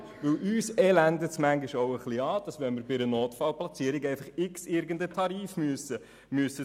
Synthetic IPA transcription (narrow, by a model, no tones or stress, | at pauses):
ʋɪlʔyːsɛlændətsmæŋɡiʃoʊəχliɑːd̥ɑsʋɛnmɪɾbɪɾənoːtfɑlplɑt͡siəɾiɡɛɪfɑχɪksɪɾɡəndətʰɑɾiːfmyəsə | myəsə